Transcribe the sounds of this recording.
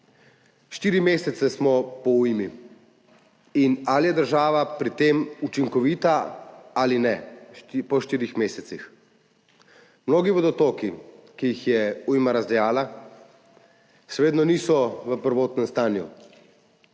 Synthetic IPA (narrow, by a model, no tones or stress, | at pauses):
ʃt̪iːɾimeːsɛt̪sɛsmɔpɔujmi | inalijɛd̪əɾʒaːʋapɾit̪emut͡ʃiŋkɔʋiːt̪aalinɛpɔʃt̪iːɾixmeːsɛt̪six | mnoːɡibod̪ɔt̪oːkikijixjɛujmaɾazd̪ɛjaːla | ʃɛʋeːd̪nɔniːsɔʋəpəɾʋoːt̪nɛmst̪aːnjṵ